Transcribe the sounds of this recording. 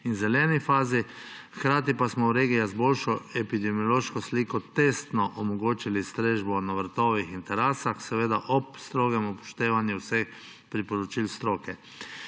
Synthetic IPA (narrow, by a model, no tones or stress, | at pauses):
inzɛlɛnifaːzi | kɾaːt̪̬ipasmɔwɾeːɡijazboːlʃɔɛpid̪ɛmiɔloːʃkɔsliːkɔt̪est̪nɔʔɔmɔɡoːt͡ʃilist̪ɾeːʒbɔnaʋɾt̪ɔʋixint̪ɛɾɛsaxsɛʋeːd̪aʔɔpst̪ɾoːɡɛmupɔ̥ʃt̪eːʋanjɛwsex | pɾipɔɾɔt͡ʃilst̪ɾoːkɛ